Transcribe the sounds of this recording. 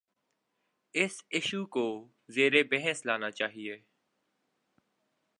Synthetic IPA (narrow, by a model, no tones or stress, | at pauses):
ɪsɪʃuːkoː | zeːɾebɛɦɛslaːnaːt͡ʃaːɦieː